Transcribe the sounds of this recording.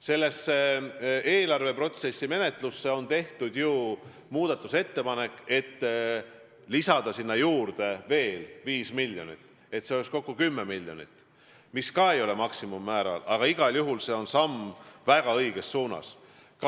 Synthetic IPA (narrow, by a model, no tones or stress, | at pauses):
se̞lːe̞sːee̞ːlɑrve̞pro̞t̪se̞sːime̞ne̞t̪ˑlusːe̞o̞nt̪e̞ht̪ud̪̥ju | muːd̪̥ɑt̪ːˑu̥se̞t̪ːe̞pɑne̞kːˑe̞t̪ː | lisɑd̪ɑsinːɑjuːrd̪̥e̞ve̞ːlviːsmilʲjo̞̰nḭt̪ː | e̞t̪ːseoleksko̞kːukymːemilʲːjo̞̰nḭt̪ | miskɑːe̞jo̞le̞mɑksimumːæːɾɑ̰lɑɡ̥ɑiɡ̥ɑljuɦulse̞o̞nsɑmːvæɡ̥ɑɤjɡ̥e̞sːuːnɑ̰s | k